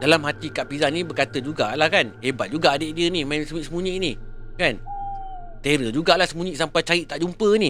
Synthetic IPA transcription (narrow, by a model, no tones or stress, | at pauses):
dalamɦat̪ikaʔpizanĩbəkat̪əd͡ʒuɡalahkanhebat̪̚d͡ʒuɡaːdeʔdiənimãnsəiʔsəmuɲiʔnikan | t̪eɾəd͡ʒuɡalahsəmuɲiʔsampajt͡ʃaiʔt̪aʔd͡ʒumpəni